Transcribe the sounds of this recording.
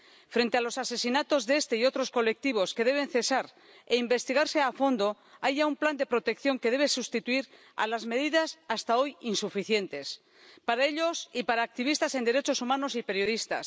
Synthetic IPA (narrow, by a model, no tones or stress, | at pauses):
fɾe̞nt̪e̞alo̞sase̞sinat̪o̞zðee̞st̪e̞io̞t̪ɾo̞sko̞le̞k̚t̪iβ̞o̞ske̞ðe̞β̞e̞nθe̞saɾ | eimbe̞st̪iɣ̞aɾse̞afo̞nd̪o̞ | ajʝaumpland̪e̞pɾo̞t̪e̞kθjo̞ŋke̞ðe̞βe̞sust̪it̪uiɾ | a̰lazme̞ðiðasast̪ao̞jinsufiθje̞nt̪e̞s | paɾae̞ʎo̞sipaɾaːk̚t̪iβ̞ist̪ase̞nd̪e̞ɾe̞t͡ʃo̞sumãno̞sipe̞ɾjo̞ð̞ist̪a̰s